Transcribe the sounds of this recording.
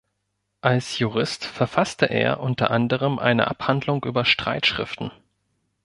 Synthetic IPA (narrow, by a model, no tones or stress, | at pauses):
ʔalsjuʁ̞ɪstfɛɐfastəʔḛːɐʔʊntɐ̰ʔandəʁ̞əmʔa̰ɪnə̰ʔa̰phandlʊŋʔyːbɐʃtʁ̥a̰ɪtʃʁ̥ɪftn̩